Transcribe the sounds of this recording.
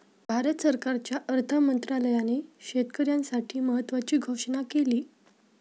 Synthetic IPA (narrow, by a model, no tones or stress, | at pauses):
bʱaɾət̪səɾkaɾt͡ɕjaʔəɾt̪ʰəmənt̪ɾaləjaneɕet̪kəɾjãnsaʈʰiːməɦət̪ːʋat͡ɕiːɡʱoʂɳnakeliː